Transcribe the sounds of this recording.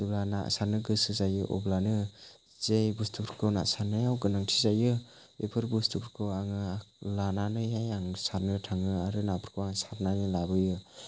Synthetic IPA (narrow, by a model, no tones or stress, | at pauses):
ublana̰saɾnɯɡɯsɯzajɯʔɔ̰blanɯ | zejbustʰupʰɾkʰɯna̰saɾnɯjawɡɯnaŋtʰi̥zajɯ | bepʰɯɾbustʰupʰɾkʰɯwaŋɯalananɯjajaŋsaɾnɯtʰaŋɯaɾɯnapʰɾkʰowaŋsaɾnanɯlabɯjɯ